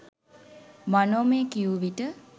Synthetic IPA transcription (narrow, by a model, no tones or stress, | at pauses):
manoːmeːkiuʋiʈə